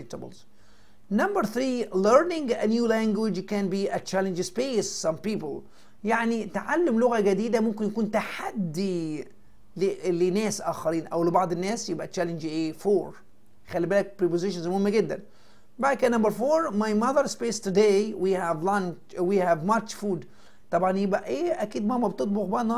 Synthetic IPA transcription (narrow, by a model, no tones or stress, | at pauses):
k̚t̪abɪ̰lz̥ | nambəɾθɾiːləɾnɪ̃ŋɡænjuːlæŋɡwɪd͡ʒkæ̃nbiːʔæt͡ʃælɪnd͡ʒɪspeːssɑ̃mpiːpɪl | jaʕnit̪ʕalːɪmlʊɣaɡæd̪iːd̪æmʊmkɪnjakuːnt̪aħad̪ːi | llɪnæːsʔæːxɑɾiːnʔæwlɪbɑʕd̪ˤɪnːæːsjɪbʔæt͡ʃælɪnd͡ʒʔeːfoːɾ | xælːibæːlæk̚pɾipozɪʃanzmohɪmːɡɪd̪ːæ̰n | bakænːambɑɾfoːɾmajmaðəɾspeːst̪ʊd̪ewihævlɑnt͡ʃwihævmat͡ʃfuːd̪ | t̪ˤɑbʕɑnjɪbʔæʔeːʔækiːd̪mæhmːæbt̪ot̪̚ˤbʊɣbɑnɑ